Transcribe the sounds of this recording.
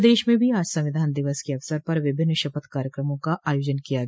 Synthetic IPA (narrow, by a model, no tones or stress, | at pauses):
d̪eːʃmẽbʱiaːd͡ʒsɐ̃ʋɪd̪ʱaːnd̪ɪʋəskeɐʋsəɾpɐɾʋɪbʱɪnːʃɐpət̪kaːɾjəkɾəmõkaʔaːjoːd͡ʒənkijaɡ